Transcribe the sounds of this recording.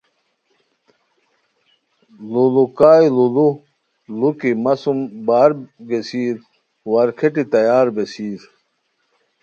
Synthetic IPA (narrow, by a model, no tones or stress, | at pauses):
lulukaːjilulu | lukimɐsumbaːɾɡesiːɾ | wɐɾkʰeʈit̪ɐjaːɾbesiːɾ